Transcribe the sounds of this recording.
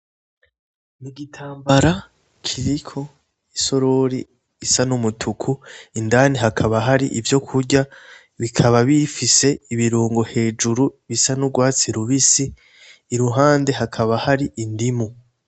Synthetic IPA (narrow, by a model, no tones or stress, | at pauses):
niɡitʰaːmbaɾa | kʰiɾikʰo̞ | iso̞ɾo̞ɾi | isanumutʰukʰuindaːniɦakʰaβaɦaɾiʔivjo̞kʰuɾɟa | βikʰaβaβifise̞iβiɾuːŋɡohe̞ːd͡ʒuɾuβisanuɡwaːt͡siɾuβisiː | ɾuɦaːnde̞ɦakʰaβahaɾiindimu